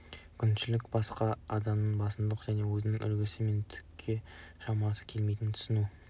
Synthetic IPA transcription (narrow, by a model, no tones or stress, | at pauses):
kʲʰʏnʃɪlɪkʲbɑsqɑɑd̪ɑmnəɴbɑsənd̪əqʒ̥æne̞wɵzɪnɪŋʔʏ̰lɡʲɪsɪme̞nt̪ʰʏ̥kʲʰːe̞ʃɑmɑsə̥kʲʰe̞lmejt̪ɪnt̪ʰʏ̥sɪnu